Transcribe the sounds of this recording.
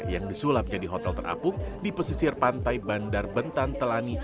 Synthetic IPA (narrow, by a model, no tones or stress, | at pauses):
jaŋdisulap̪̚d͡ʒadiɦɔt̪ɛlt̪əra̰pʊhdipəsisɪrpant̪ajbandarbənt̪ant̪əlani